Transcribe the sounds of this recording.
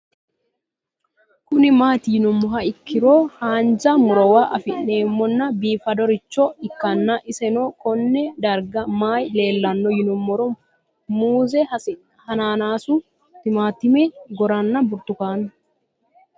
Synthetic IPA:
kʊnɪmaːt̪ɪjɪnʊmːɔɦɐɪkːɪɾoːhaːnd͡ʒɐmʊɾɔwaʔɐ̰fɪnːe̞ːmːɔnːɐbiːfɐd̪ɔɾɪt͡ʃːɔɪkːɐnːɐʔɪsɛnɔkɔnːɛd̪ɐɾɡɐmaːjle̞ːlːɐnːɔjɪnʊmːɔɾɔ | muːzɛ | hɐnaːnaːsʊ | t̪ɪmaːt̪ːɪmɛɡɔɾɐnːɐbʊɾt̪ʊkaːnːɐ

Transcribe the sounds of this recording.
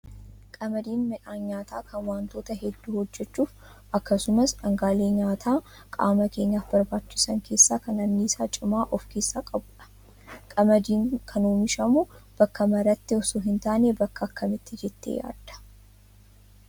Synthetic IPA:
kʼɐmɐd̪iːnmɛᶑaːnɲaːt̪aːkʰɐnwaːnt̪o̞ːt̪ɐɦɛd̪ːuːhɔd͡ʒːɛt͡ʃːuːf | ɐkːɐsʊmɐsɐŋɡaːle̞ːɲaːt̪ʰaː | kʼa̰ːmɐke̞ːɲːaːfbɐɾbaːt͡ʃːɪsɐŋkʰe̞ːsːaːkɐnɐnnːiːsaːt͡ʃʼɪmaːʔɔfke̞ːsːaːkʼɐbʊᶑɐ̥ | kʼɐmɐd̪iːŋkʰɐnuːmɪʃɐmʊb̥ɐkːɐmɐɾɐt̪ːɪɔsuːɦɪnt̪aːneːbɐkːɐːkːɐmɪt̪ːɪd͡ʒɛt̪ːḛːja̰ːd̪ɐ̥

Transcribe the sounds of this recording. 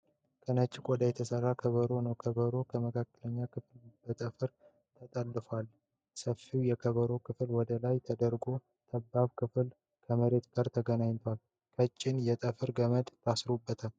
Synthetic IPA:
kʰənət͡ʃʼːɪkʷʼɔd̪əjɛt̪ʰəsərːakʰəβəɾo̞nəwkʰəβəɾo̞kʰəməkʰakːələɲːakʰɨflb̥ət̪ʼəfɨɾ | t̪ʰət̪ʼəlːɨfal | səfiwjɛkʰəβəɾo̞kʰɨflwɔd̪əlajt̪ʰəd̪əɾɡo̞ | t̪ʰəbːaβkʰɨfl | kʰəməɾe̞t̪ɡaɾt̪ʰəɡənaɲt̪ʰwal | kʰət͡ʃʼːɪnjɛt̪ʼəfɨɾɡəməd̪t̪ʰasɨɾubːət̪ʰə

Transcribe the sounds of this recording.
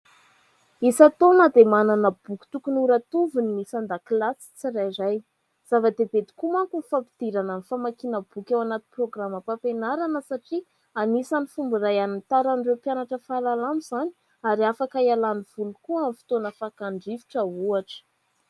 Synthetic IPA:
isat̪onad̪emananəb̥ukʲi̥t̪ukunuɾat̪uvunːisand̪aklasi̥t͡siɾajɾaj | z̥avad̪eb̪ed̪i̥kumaŋkunifapi̥d̪̥iɾananifamakinəb̥ukʲewanat̪i̥proɡraməpapenaɾanəsaʈ͡ʂi | anisanifumbiɾajanint̪aɾanrewpjanaʈ͡ʂəfalalamuz̥ani | aɾiafakaialaniv̥ulukuamfi̥t̪onəfakaɳɖ͡ʐivi̥ʈ͡ʂəuaʈ͡ʂə̥

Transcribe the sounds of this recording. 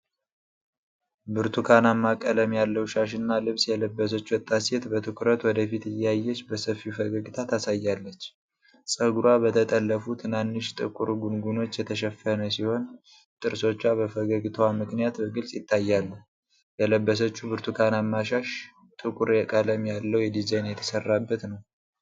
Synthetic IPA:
bɨɾt̪ʰukʰanamːakʼələmjalːəwʃaʃɨnːalɨβsjɛləbːəs̬ət͡ʃːuwɔt̪ʼːaset̪bət̪ʰɨkɾət̪wɔd̪əfit̪ɨjajːɛt͡ʃːbəsəfiufəɡəɡit̪ʰat̪asajːalːət͡ʃː | sʼəɡuɾwabət̪ʰət̪ʼəlːəfut̪ʰɨnanːɨʃt̪ʼɨ̰kʼuɾɡunɡuno̞t͡ʃːjɛt̪ʰəʃɛfːənəsiho̞n | t̪ʼɨɾso̞t͡ʃːaβəfəɡəɡit̪ʰəwamɨknijat̪bəɡɨlsʼjɪt̪ʰːajːalːu | jɛləbːəs̬ət͡ʃːubɨɾt̪ʰukʰanamːaʃaʃ | t̪ʼɨkʼuɾjɛkʼələmjalːəwjɛd̪izajnjɛt̪ʰə̥sərːabːət̪nəw

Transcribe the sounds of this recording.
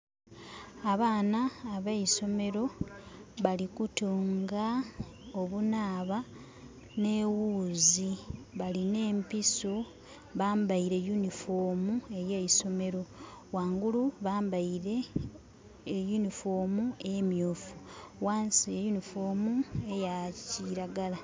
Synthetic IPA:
aβaːnaːβeiso̞me̞ɾo̞ | βalikutuːŋɡaoβunaːβa | ne̞wuːziβaline̞ːmpiso | βaːmbaiɾe̞junifoːmue̞jejiso̞me̞ɾo̞waːŋɡuluβaːmbaiɾe̞ | junifoːmuemjoːfuwaːnsijejunifoːmue̞jaciɾaɡala

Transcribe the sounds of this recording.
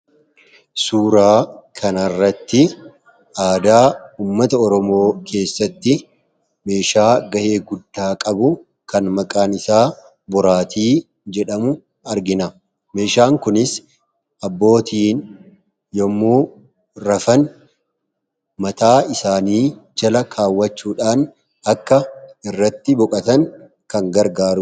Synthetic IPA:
suːɾaːkʰɐnɐrːɐt̪ːɪ | aːd̪aːuːmːɐt̪ɐɔɾɔmo̞ːkʰe̞ːsːɐt̪ːɪ | me̞ːʃaːɡɐʔe̞ːɡʊd̪ːaːkʼɐbʊ | kɐnmɐkʼaːnɪsaː | bɔɾaːt̪ʰiː | d͡ʒɛᶑɐmʊ | ɐɾɡɪnɐ | me̞ːʃaːŋkʊnɪs | ʔɐbːo̞ːt̪ʰiːn | jɔmːuː | ɾɐfɐn | mɐt̪aːɪsaːniːd͡ʒɐlɐkʰaːwːɐt͡ʃːuːᶑaːn | ɐkːɐɪrːɐt̪ːɪbɔkʼɐt̪ɐŋ | kɐŋɡɐɾɡaːɾʊ

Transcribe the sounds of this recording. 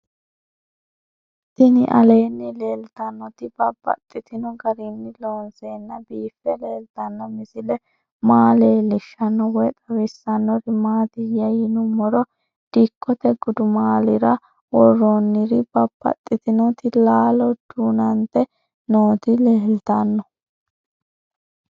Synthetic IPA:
t̪ɪnɪ̰ʔɐle̞ːnːɪleːlt̪ɐnːɔt̪ɪbɐbːɐ̰t̪ʼːɪt̪ɪnɔɡɐɾɪnːɪlo̞ːnseːnːɐbiːfːɛleːlt̪ɐnːɐmɪsɪlɛ | maːle̞ːlɪʃːɐnːɔwɔt̪ʼɐwɪsːɐnːɔɾɪmaːt̪ɪjɐjɪnʊmɔɾɔ | d̪̥ikːɔt̪ɛɡʊd̪ʊmaːlɪɾɐ | wɔrːonːɪɾɪbɐb̥ːɐ̰t̪ʼːɪt̪ɪnɔt̪ɪlaːlɔd̪̥unɐnt̪ɛ | noːt̪ɪleːlt̪ɐnːɔ

